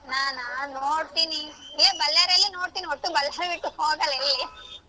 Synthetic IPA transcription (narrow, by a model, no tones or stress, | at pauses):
naːnanoːɽt̪inieːbɐlːaɾɐlːinoːɽt̪iːniot̪ːubɐljaːɾebiʈːuoːɡɐlɐilːi